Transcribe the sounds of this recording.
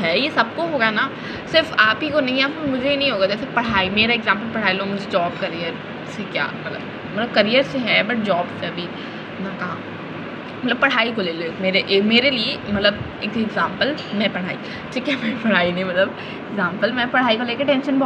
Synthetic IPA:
ɦɛːjesɐb̚koɦoːɡana | sɪɾfaːpikonɐɦĩaːpmʊd͡ʒʱeinɐɦĩɦoːɡad͡ʒɛːs̬epɐɽ̤aːimeːɾaɪɡzãːmp̬əlpɐɽ̤aːiloːmʊd͡ʒʱed͡ʒɔːbkɐɾijəɾ | sekja̰ːmɐt̪lə̰b | mːɐt̪ləb̚kɐɾijəɾseɦɛbɐʈ̚d͡ʒɔːbsebʱi | nɐkɐɦa | mɐt̪ləbpɐɽ̤aːikoleːlomeːɾeʔmeːɾeliemɐt̪ləb | ɪkːɪɡzãːmpəl | mɛ̃ːpɐɽ̤aːi | t͡ʃɪkjamɛ̃pɐɽ̤aːinɐɦĩmɐt̪ləb | ɪɡzãːmpəlmɛ̃ːpɐɽ̤aːikoleːkeʈɛ̃ːnʃənbɔ

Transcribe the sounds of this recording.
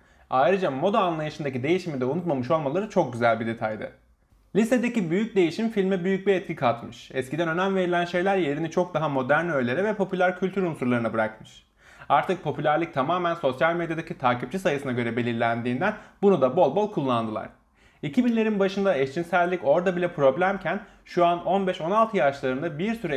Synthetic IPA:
a̰jɾɯd͡ʒamo̞d̪aːnlˠajɯʃɯnd̪ac̬id̪e̞jiʃimind̪ɛunut̪mamɯʃo̞lˠmalˠaɾɯt͡ʃʰok̚ɟyzælʲbid̪e̞t̪ʰajd̪ɯ̰ | lʲise̞d̪e̞cibyjyc̚d̪e̞jiʃimfilʲmɛbyjyc̚biɛt̪̚cʰikʰat̪mɯʃɛscid̪ænø̞næmve̞ɾilʲænʃe̞jlʲæɾje̞ɾinit͡ʃʰo̞k̚d̪aɦamo̞d̪æɾnø̞jlʲe̞ɾɛvɛpʰo̞pʰylʲæɾcʰylʲt̪ʰyɾunsuɾlˠaɾɯnabɯɾakmɯʃ | aɾt̪ʰɯk̚pʰo̞pʰylʲæɾlʲic̚t̪ʰamaːmænso̞sjalʲmed̪jad̪acʰit̪ʰaːcʰip̚t͡ʃʰisajɯsɯnaɟø̞ɾɛbe̞lʲiɾlʲænd̪iːnd̪ænbunud̪abo̞lˠbo̞lˠkʰulˠːand̪ɯlˠa̰ɾ̥ | icʰibinlʲe̞ɾinbaʃɯnd̪aɛst͡ʃʰinsælʲːico̞ɾd̪abilʲɛpʰɾo̞blʲæmcʰæn | ʃuano̞nbɛʃo̞nalˠt̪ʰɯjaʃlˠaɾɯnd̪abiɾsyɾ

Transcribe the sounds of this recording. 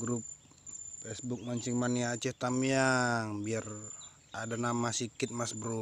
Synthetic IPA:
ɡɾup̚ | fɛsbuk̚maɲt͡ʃiŋmaniat͡ʃɛht̪amjaŋbiar | adanamasikɪt̪̚masbəɾu

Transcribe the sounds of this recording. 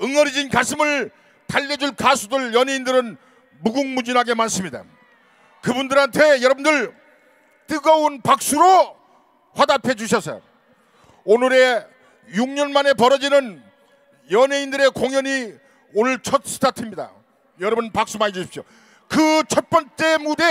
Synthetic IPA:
ɯŋʌɾid͡ʑinkasʰimɯɭ | taʎːed͡ʑuɭkasʰudɯɭjʌneindɯɾɯn | muɡuŋmud͡ʑinaɡe̞mans͈ɯmɲida̰ | kɯbundɯɾantʰe̞jʌɾʌbɯndɯɭ | t͈ɯɡʌunpak̚s͈uɾo | ɸwadapʰe̞d͡ʑuɕ̬ʰʌsʰʌjo̰ | onɯɾe̞ | juŋɲʌnmane̞pʌɾʌd͡ʑinɯn | jʌneindɯɾe̞koŋjʌɲi | onɯɭt͡ɕʰʌt̚s͈ʰɯ̥tʰatʰɯmɲida̰ | jʌɾʌbunpak̚s͈umaid͡ʑuɕip̚ɕ͈jo | kɯt͡ɕʰʌt̚p͈ʌnt͡ɕ͈e̞mude̞

